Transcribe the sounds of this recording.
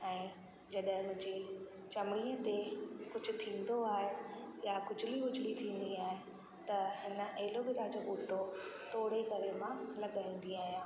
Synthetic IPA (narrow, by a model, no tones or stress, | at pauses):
ɛ̃ː | d͡ʑɐɗɦɪ̃mʊ̃ɦɪ̃ɲd͡ʑi | t͡ɕɐmɽiət̪ekʊd͡ʑʱʊ̆t̪ʰĩːn̆d̪oaːɦejakʊd͡ʑʱɪliɦʊd͡ʑʱlit̪ʰĩːnd̪iaːɦe | t̪ɐhɪnə̆ʔɐɦɪlobɪɾaːd͡ʑobuːʈot̪ʰoːɽekɐɾemãlɐɠaːĩːn̆d̪iaːɦijãː